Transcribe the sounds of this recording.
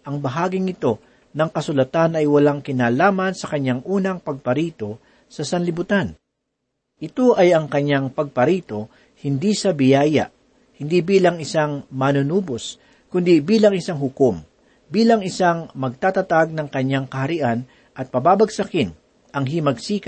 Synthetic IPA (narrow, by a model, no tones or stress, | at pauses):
ʔɐŋbɐɦaːɡɪŋɪt̪o̞ | nɐŋkɐsʊlɐt̪anɐjwɐlaŋkɪnaːlaːmɐnsɐkɐɲːaŋʔuːnɐŋpɐɡ̚pɐɾiːt̪o̞ | sɐsɐnlɪbʊt̪an | ʔɪt̪o̞ʔɐjɐŋkɐɲːaŋpɐɡ̚pɐɾiːt̪o̞ | hɪnd̪isɐbɪjaːjɐ̰ʔ | hɪnd̪ibiːlɐŋɪsaŋmɐnʊnuːbos | kʊnd̪ibiːlɐŋɪsaŋɦʊkom | biːlɐŋɪsaŋmɐɡ̚t̪aːt̪ɐt̪aɡ̚nɐŋkɐɲːaŋkɐhɐɾɪʔan | ʔɐt̪̚pɐbaːbɐɡsɐkɪn | ʔɐŋɦimɐɡsiːk